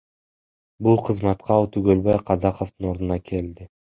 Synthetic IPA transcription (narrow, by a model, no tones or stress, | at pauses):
bulˠqʰɯzmɑt̪qɑut̪yɡølbɑjqʰɑzɑqoft̪ɯno̞ɾd̪unɑkʰe̞ld̪ɪ